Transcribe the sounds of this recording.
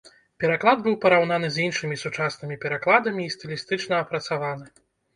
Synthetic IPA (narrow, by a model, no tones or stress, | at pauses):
pʲɛɾaklˠad̪̚bɨwpɐɾawnanɨzʲinʂɨmʲisut͡ʂasnɨmʲipʲɛɾaklˠad̪ɐmʲiːst̪ɨlʲist̪ɨt͡ʂnɐːpɾɐt̪savanɨ